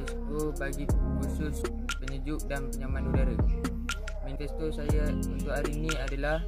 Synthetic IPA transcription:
isk̪obaɡikusʊs | pəɲud͡ʒʊʔ̚danpəɲamãnudaɾə | mint̪ɛst̪osajaunt̪ʊʔaɾiːnĩadalah

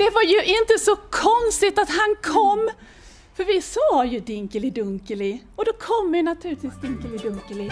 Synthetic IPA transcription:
d̪̥ɛvaɾjɵʔɪnt̪əsɔkʰɔnst̪ɪt̪at̪hankʰɔmː | fœɾvɪsoːjɵd̪ɪŋkəlɪd̪ɵŋkəlɪɔd̪ɔkʰɔmːɛnat̪ʰʉ̟ːɾɪt̪viːsd̪ɪŋkəlɪd̪ɵŋkəlɪ

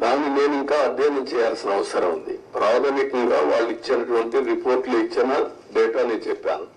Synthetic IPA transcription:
d̪aːnːine̞ːniŋkaːɐd̪ʱːɛːnɐmt͡ʃɛːjaːlsinɐɐʋɐsɐɾɐmund̪ḭpɾaːd̪ɐmikɐŋɡa̰ːʋaːɭːuit͡ʃːinɐʈuʋɐɳʈiɾipo̞ːɾʈloit͡ʃːinɐ | ɖɛːʈaːneːnt͡ʃɛpːa̰ːnu

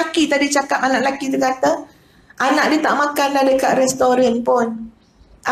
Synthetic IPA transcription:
akit̪adit͡ʃakap̚anãʔlakit̪ukat̪ə | ʔanãʔdiət̪a̰ʔmãkanlahdəkaʔ̪̚ɾɛst̪oɾanpʊn | ʔa

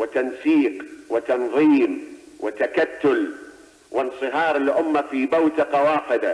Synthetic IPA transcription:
wɪt̪ansiːqwɪt̪ɑnðˤiːm | wɪt̪akat̪ːʊl | wʔɪnsˤɨɦɑːɾˤɪlʔʊmːafiːbawt̪ɪqɑwɑːfɪd̪a

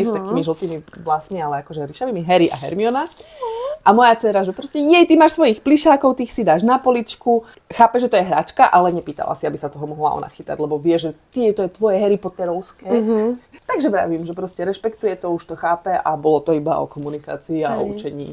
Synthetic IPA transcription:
st̪akiːmiʒl̩t̪imiblasnialɛakɔʒɛɾiʃaʋimiɦɛɾiʔa̰ɦɛ̰ɾmiɔna | ʔamɔjat͡sɛɾaʒɛpɾɔscɛjɛjt̪imaːʃsʋɔjixpliʃaːkɔʊt̪iːxsid̪aːʒnapɔlit͡ʃku | xaːpɛʒɛt̪ɔjɛɦɾa̰ːt͡ʃkaʔalɛɲɛpiːt̪a̰la̰siabisat̪ɔɦɔmɔɦlaɔ̰na̰xit̪a̰ɟlɛbɔʋɪɛʒɛt̪iɛt̪ɔjɛt̪ʋɔjɛɦɛɾipɔt̪ɛɾɔʊskɛːt̪aɡʒɛbɾa̰ʋiːmʒɛpɾɔscɛɾɛʃpɛkt̪ujɛt̪ɔuʃt̪ɔxaːpɛʔa̰bɔlɔt̪ɔiba̰ɔ̰kɔmunika̰ːt͡siːa̰ɔ̰ut͡ʃɛɲḭː

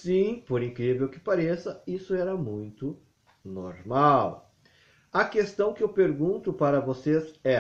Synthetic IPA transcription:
sĩpoɾĩŋkɾivewkɪ̥paɾesɐisʊɛɾɐmũj̃t̪ʊ | noɾmaw | ɐkest̪ɐ̃w̃kɪewpeɾɡũnt̪ʊpaɾɐvosezɛ

